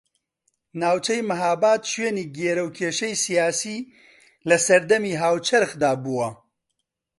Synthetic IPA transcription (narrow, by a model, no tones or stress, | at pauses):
naːwt͡ʃʰɛjmɐɦaːbaːt̪ʃweːniːɡeːɾɐwkʰeːʃɛjsijaːsiː | lɐsɐɾd̪ɐmiːɦaːwt͡ʃʰɐɾxd̪aːbuwɐ